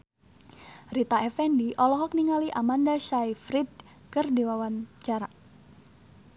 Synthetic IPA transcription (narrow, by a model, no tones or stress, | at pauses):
rit̪aɛfɛndiʔɔlɔɦɔk̚niŋaliʔamandaʃajfɾid̪̚ | kɨrdewawant͡ʃaɾa